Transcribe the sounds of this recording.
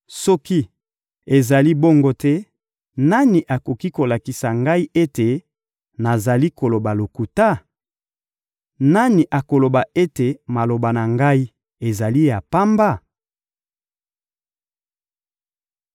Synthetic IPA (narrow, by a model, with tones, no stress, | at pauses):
sɔ˦ki˦ | e˨za˨li˦bɔ˦ŋɡo˦tɛ˦ | na˦ni˨ʔa˨ko˨ki˦ko˨la˨ki˨sa˨ŋɡa˦i˦ʔe˦te˨ | na˨za˨li˦ko˨lo˨ba˨lo˨ku˨ta˦ | na˦ni˨ʔa˨ko˨lo˨ba˨ʔe˦te˨ma˨lo˨ba˨na˨ŋɡa˦i˦ | e˨za˨li˦ja˨pa˦mba˦˨